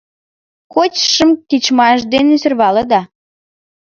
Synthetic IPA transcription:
kot͡ɕʃə̆mkit͡ɕmɑʃd̪enesørβɑləd̪ɑ

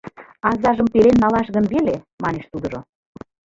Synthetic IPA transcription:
ɑzɑʒəmpelenːɑlɑʃɣənβele | mɑneʃt̪ud̪ɤ̆ʒo

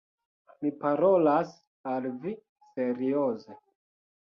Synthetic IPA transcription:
mipaɾolas | alvi | se̞ɾioze

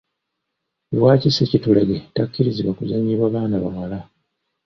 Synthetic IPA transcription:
βwaːcisecitulaɡetakːiɾiziβwakuzaɲːiβwaβaːnaβa̰mala

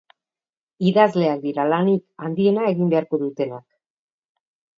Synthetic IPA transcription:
iðazle̞ak̚d̪iɾalanikand̪ie̞nae̞ɣimbe̞aɾko̞ðut̪e̞nak

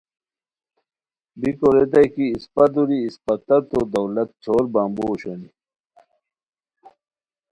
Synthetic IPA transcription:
bikoɾet̪̬ɐjkiːspɐt̪̬uɾiːspɐt̪ːɐt̪od̪ɐwlɐt̪̚t͡ɕʰoːɾbaːmboːɕoni

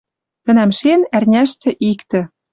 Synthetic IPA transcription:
t̪ə̆næmʃenærnʲæʃt̪ĕʔikt̪ɘ̆

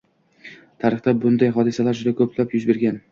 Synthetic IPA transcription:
t̪ʰaɾɨχt̪abʊnd̪ajɦɒd̪ɪsalaɾd͡ʒʊd̪akʰɵpʰlapjʊzbe̞ɾɡʲan

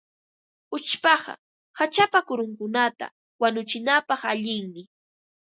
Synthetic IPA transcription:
ʊt͡ʃpɑɢɑ̰ | hat͡ʃapakʊɾʊŋkʊnat̪a̰ | wanʊt͡ʃɪnapɑχaʎɪŋmɪ

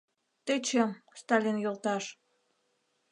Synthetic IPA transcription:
t̪et͡ɕemst̪ɑlʲinjolt̪ɑʃ

